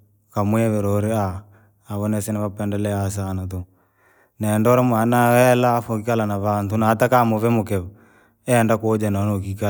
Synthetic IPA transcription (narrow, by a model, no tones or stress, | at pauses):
kamwɛβeɾoɾeaː | βɔnɛsenaβapɛndɛlɛas̬anat̪o | nɛndɔɾamwanawɛlafokikalanaβantunaːtakamoβɛmokɛβa | ɛndakod͡ʒɛnanok̬ika